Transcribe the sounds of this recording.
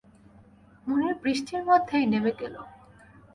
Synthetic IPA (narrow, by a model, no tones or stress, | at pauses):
muneɾbɾiʃʈʰiɾmod̪ʱːejnemeɡelo